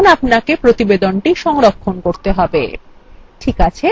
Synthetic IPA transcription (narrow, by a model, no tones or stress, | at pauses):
napnakepɾot̪ibed̪onʈiʃɔŋɾokʰːonkoɾt̪eɦɔbḛ | ʈʰikat͡ɕʰe